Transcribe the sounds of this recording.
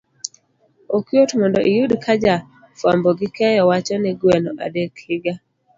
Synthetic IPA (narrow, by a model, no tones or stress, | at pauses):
okjotmɔndɔʔijudkʰad͡ʒa | fwambɔɡɪkɛjɔwat͡ʃɔnɛɡwɛnɔʔa̰dɛklɪɡa